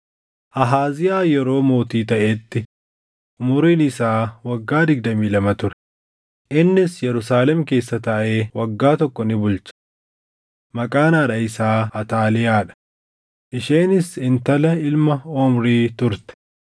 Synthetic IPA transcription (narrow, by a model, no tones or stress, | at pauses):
ʔɐɦaːzɪjaːjɛɾo̞ːmo̞ːt̪iːt̪ɐʔet̪ːɪ | ʔʊmʊɾiːnɪsaːwɐɡːaːd̪ɪɡ̚d̪ɐmiːlɐmɐt̪ʊɾɛ̥ | ʔɪnːɪsjɛɾʊsaːlɛmke̞ːsːɐt̪ɐʔeːwɐɡːaːt̪ɔkːɔnɪbʊlt͡ʃɐ̥ | mɐkʼaːnɐɾɐɪsaːɐt̪aːlɪjaːᶑɐ̥ | ʔɪʃeːnɪsɪnt̪ɐlɐɪlmɐɔːmɾiːt̪ʊɾt̪ɛ̥